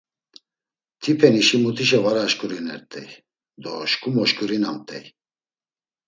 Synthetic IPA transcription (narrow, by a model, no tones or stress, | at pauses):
t̪ʰipʰɛniʃimut̪ʰiʃɛvaɾaʃkʼuɾinɛɾt̪ʼɛj | d̪ɔ̰ʃkʼumɔʃkʼuɾinamt̪ʼɛj